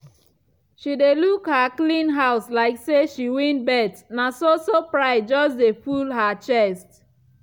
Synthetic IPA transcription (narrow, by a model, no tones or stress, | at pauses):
ʃidelukhaklĩnɦaʊslaɪkseʃiwĩnbɛtnasosopɹaɪd͡ʒɔsdefulɦat͡ʃɛst